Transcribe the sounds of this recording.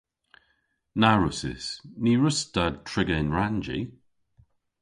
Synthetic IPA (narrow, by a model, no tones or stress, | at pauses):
naɹʊsɪ̰sniɹʊsd̥ad̚tʰɹɪɡəɪnɹand͡ʒḭ